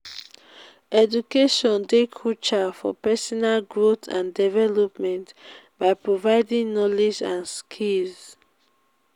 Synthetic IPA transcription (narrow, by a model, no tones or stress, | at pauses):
ɛdukeʃɔ̃ndekʰɔt͡ʃafɔ̰pɛsɔnalɡɹotʰã̰ndɛvɛlɔpmɛ̃nt | baɪpɹovaɪdĩŋnɔled͡ʒã̰nskʰilz